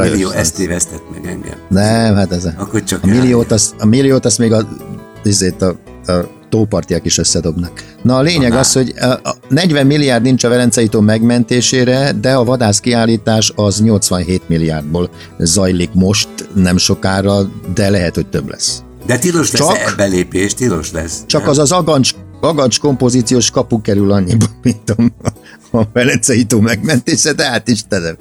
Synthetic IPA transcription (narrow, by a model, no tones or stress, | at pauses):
j̰ioɛst̪eːvɛst̪ɛt̪̚mɛ̰ɡɛ̰ŋɡɛ̰mnɛmɦat̪ɛzkot͡ʃɒkɒmilːijoːt̪ɒsɒmilːijoːt̪ɒst̪meːɡɒ | izeːt̪ɒ | t̪oːpɒrt̪ijɒkiʃøsːɛd̪o̞bnak | nɒleːɲɛɡɒsho̞ɟnɛɟvɛmːilːijaːrd̪nint͡ʃɒvɛlɛnt̪sɛjuːt̪oːmɛɡmɛnt̪eːʃeːɾɛd̪ɛɒvɒd̪aːskiaːlːiːt̪aːʃɒzɲo̞lt̪sʋɒnɦeːt̪milːija̰ːrd̪̚boːl | zɒjlikmo̞ʃt̪nɛmʃo̞kaːrɒd̪ɛlɛɦɛt̪ho̞c̚t̪ø̰blɛ̰s | d̪ɛt̪iloʃt͡ʃɒkbɛleːpeːʃt̪ilo̰ʃlɛ̰st͡ʃɒkɒzɒzɒɡɒnt͡ʃɒɡɒnt͡ʃko̞mpo̞ziːt̪sijoːʃkɒpukɛɾylɒɲːibɒnmint̪om | ɒvɛlɛnt̪sɛjit̪oːmɛɡmɛnt̪eːʃɛd̪ɛaːt̪iʃt̪ɛnɛ